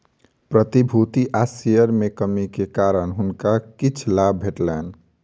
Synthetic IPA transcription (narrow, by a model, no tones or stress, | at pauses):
pɾət̪ibʱut̪iʔasijəɾmekəmikekaɾənɦunkakit͡ʃʰlabʱeʈlən